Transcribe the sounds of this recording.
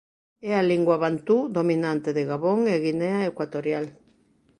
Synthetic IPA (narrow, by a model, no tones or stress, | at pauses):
ɛaliŋɡwaβant̪ud̪ominant̪eðeɣaβoŋeɣinɛaekwat̪oɾjal